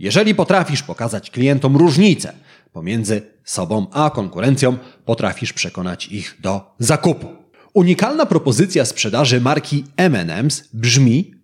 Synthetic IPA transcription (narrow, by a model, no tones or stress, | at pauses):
jɛʐɛlʲipɔt̪ɾafʲiʂpɔkazat͡ɕklʲijɛnt̪ɔmɾuʐɲit̪sɛ̰ | pɔmʲjɛnd̪zɘ | sɔbɔ̃w̃akɔŋkuɾɛnt̪sjɔ̃w̃pɔt̪ɾa̰fʲiʂpʂɛkɔnat͡ɕiɣd̪ɔzakupu̥ | uɲikalnapɾɔpɔzɘt̪sʲjaspʂɛd̪aʐɘmaɾkʲʰiɛmɛ̰nɛ̰msbʐmʲi